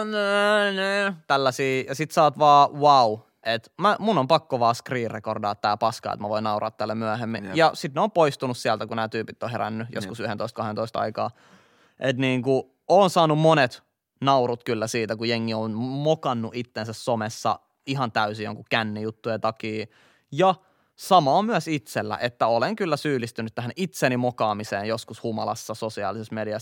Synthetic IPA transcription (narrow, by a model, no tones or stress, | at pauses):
nniːt̪ælːæsiːjɑsit̪sɑːt̪ʋɑːwɑu | ʔet̪mæmunːompɑkːoʋɑːskriːrrekordɑːt̪t̪ːæ̰ːpɑskɑ̰ːḛt̪mæʋoinɑurɑ̰ːt̪ːælːemyæhemːĩjɑsit̪neoːmpoist̪unussiælt̪ækunæːt̪yːpit̪ːoheɾæ̰nːyjo̰skusyhent̪oist̪kɑhent̪oist̪ɑ̰ikɑ̰ː | ʔet̪niːŋku | oːnsɑːnummonet̪ | nɑurut̪kylːæsiːt̪ækujeŋːionmokɑnːuʔit̪ːensæssomesːɑ̰ | iɦɑnt̪æysijo̰ŋkukænːijut̪ːujent̪ɑkiː | jɑ | sɑmɑːmyæsit̪selːæ̰ʔet̪ːæoleŋkylːæsyːlist̪ynyt̪t̪æhænʔit̪seːnimokɑːmiseːnjoskushumɑlɑsːɑsosiɑ̰ːlisesmediɑs